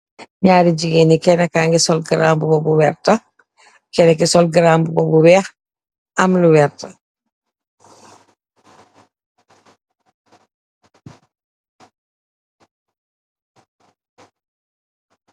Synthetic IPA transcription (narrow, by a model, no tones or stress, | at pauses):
ɲaːɾiɟiɡenikɛnakaŋɡisɔlɡɾaːmbubɔbuwɛɾta | kɛnɛkisɔlɡɾaːmbubɔbuwɛːx | amluwɛɾtɐ